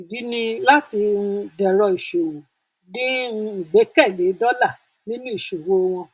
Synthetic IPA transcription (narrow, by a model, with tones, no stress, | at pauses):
i˨di˨˦nĩ˧la˦ti˧ũ˧dɛ˨ɾɔ˧i˨ʃo˨wo˨ | dĩ˦˧i˨ɡ͡bɛ˨˦kɛ˦˨le˨˦dɔ˦la˦˨ | nĩ˦nũ˦i˦˨ʃo˨wo˦w̃ɔ̃˧